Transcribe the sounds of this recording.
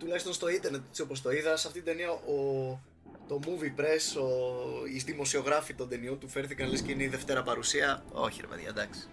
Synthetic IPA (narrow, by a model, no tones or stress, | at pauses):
t̪ulɐçist̪o̞nst̪o̞int̪eɾnet̪e̥t͡ssio̞po̞s̬t̪o̞iðɐsɐft̪it̪id̪e̞niɐʔo | t̪o̞muvipɾe̞soisðimo̞sio̞ɣɾɐfit̪o̞nd̪e̞niot̪ufe̞ɾθikɐnlesceineiðe̞ft̪e̞ɾɐpɐɾusiɐo̞̰çiɾḛmḛðʝɐ̰d̪ɐksi̥